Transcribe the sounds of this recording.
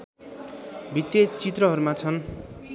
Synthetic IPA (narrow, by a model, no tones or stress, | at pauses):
bʱit̪jet͡sit̪rʌɦʌɾumat͡sʰʌn